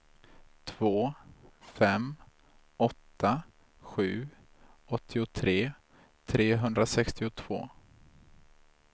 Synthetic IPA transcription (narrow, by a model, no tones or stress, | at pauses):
t̪ʰv̥oːfɛm | ɔt̪ʰːa | ɧʉ̟ː | ɔt̪ʰːɪʊt̪ʰɾeː | t̪ʰɾeːɦɵnd̪ɾasɛkst̪ɪʊt̪ʰv̥o̰ː